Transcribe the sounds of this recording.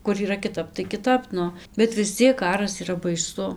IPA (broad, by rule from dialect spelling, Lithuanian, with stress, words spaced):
kʊr iːˈrɐ kʲɪˈtɐp tɐɪ kʲɪˈtɐp ˈnʊ bʲɛt ʋʲɪs ˈt͡sʲiɛk ˈkɑːrɐs iːˈrɐ bɐɪˈsʊ